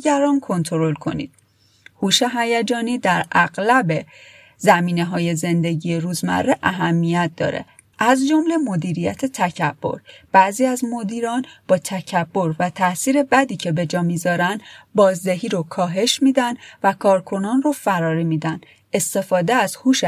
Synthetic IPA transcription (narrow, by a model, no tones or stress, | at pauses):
ɡæɾɒːnkʰo̞nt̪ʰoɾo̞lkʰo̞̰nḭːd̪̥̚ | huːʃe̞ɦæjæd͡ʒɒːniːd̪æɾæɣlæbe | zæmiːne̞ɦɒːje̞ze̞nd̪e̞ɟiːjeɾuːzmæ̰rːeʔæɦæmːijæt̪̚ʰd̪ɒ̰ːɾḛ | ʔæzd͡ʒomle̞mo̞d̪iːɾijæ̰t̪ʰe̞t̪ʰæcʰæb̥ːo̞̰ɾb̥æʔziːæzmo̞d̪iːɾɒːnb̥ɒːt̪ʰæcʰæb̥ːo̞ɾvæt̪ʰæsiːɾe̞bæd̪iːcʰe̞be̞d͡ʒɒːmiːzɒːɾænd̪bɒːzd̪eɦiːɾokʰɒːɦe̞ʃmiːd̪ænd̪vækʰɒːɾkʰo̞nɒːnrofæɾɒːɾimiːd̪ænd̪ | e̞st̪e̞fɒːd̪eæzhuːʃ